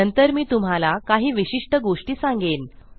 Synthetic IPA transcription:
ənt̪əɾmiːt̪um̤alakaɦiːʋiɕiʂʈəɡoʂʈiːsãŋɡeːn

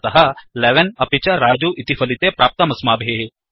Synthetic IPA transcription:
t̪ɐɦɐleʋenɐpit͡ʃɐɾaːd͡ʒuʔit̪ifʰɐlit̪epɾaːp̚t̪ɐmɐsmaːbʱe

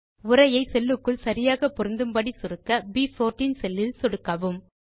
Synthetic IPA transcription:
ʊɾɐjɐɪsɛlːɯkːɯɭsɐɾɪjaːɣɐpɔɾɯnd̪ɯmbɐɽisɔɾɯkːɐbiːfoːɾʈiːnsɛlːɪlsɔɽɯkːɐʋɯm

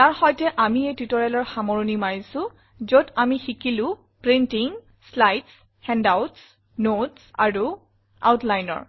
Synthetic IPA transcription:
taɹxɔjtɛʔamiejtutɔɹɛlɔɹxamɔɹunimaɹisʊ̃ | zotamixikilʊ̃ | pɹintiŋ | slajts | hɛndawts | notsa̰ɹu | a̰wtlajnɔ̰ɹ

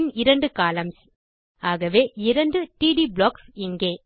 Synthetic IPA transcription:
nɪɾɐɳɖɯkaːlɐms | aːɣɐʋeːɪɾɐɳɖɯʈiːɽibɭoːksɪŋɡeː

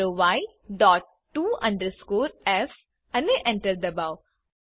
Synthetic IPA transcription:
oʋaɪ | ɖɔːʈːuːɐ̰̃ɳɖəɾskoːɾɛf | ɐ̃neʔɛ̃ɳʈəɾd̪əbaʊ

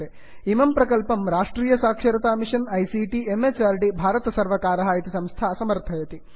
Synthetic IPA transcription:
e | imɐmpɾɐkɐlpɐmɾaːʂʈɾiːjɐsaːkʂɐɾɐt̪aːmiʂɐnɐjsiːʈiemeːt͡ʃaːɾʈibʱaːɾɐt̪ɐsɐɾʋɐkaːɾɐɦaːjit̪isɐmst̪ʰaːsɐmɐɾt̪ʰɐjɐt̪i

